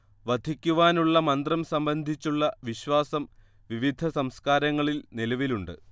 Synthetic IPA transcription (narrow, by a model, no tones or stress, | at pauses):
ʋɐd̪ʱikʲːuʋaːnuɭːɐmɐnd̪rɐmsɐmbɐnd̪ʱit͡ɕːuɭːɐʋiɕʋaːsɐm | ʋiʋid̪ʱɐsɐmskaːɾɐŋːɐɭilnilɐʋiluɳɖɨ̰